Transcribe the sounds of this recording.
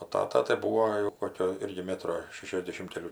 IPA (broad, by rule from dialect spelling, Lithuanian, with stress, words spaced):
oː ˈtɑːtɐ tɐɪ ˈbuːoː jɛʊ ˈkoːkʲoː ˈɪrʲɡʲɪ ˈmʲæːtroː ˈʃʲæːʃʲɛzʲdʲɛʃʲɪm kʲɛˈlʲuː